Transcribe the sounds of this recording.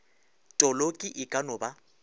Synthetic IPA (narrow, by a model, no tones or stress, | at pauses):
tʼɔlokʼiʔɪkʼanɔba